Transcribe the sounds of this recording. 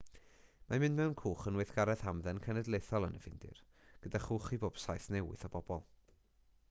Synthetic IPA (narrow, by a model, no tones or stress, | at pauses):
mamɪ̃ndmɛwnkʰuːχənwɛjθɡ̥aɾɛðhamðɛnkʰənɛdlˠeθɔlˠənəvɪndɪ̰r | ɡ̥ədaχuːχiboːb̥sajθnɛwɪ̰θɔbɔb̥ɔlˠ